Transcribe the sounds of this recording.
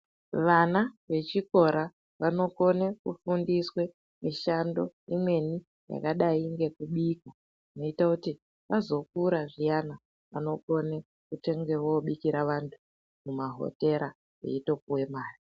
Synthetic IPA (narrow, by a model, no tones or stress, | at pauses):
ʋanaʋe̞t͡ʃiko̞ɾa | ʋano̞ko̞ne̞kufundiswe̞ | miʃando̞imwe̞ni | ja̰kaɗaiŋɡe̞kuɓika | ino̞itakuti | ʋazo̞k̚uɾaʐijana | ʋano̞ko̞ne | kute̞ŋɡe̞woɓikiɾaʋantʰu̥ | mumaɦo̞̰te̞ɾa | jḛito̞kuwe̞maːri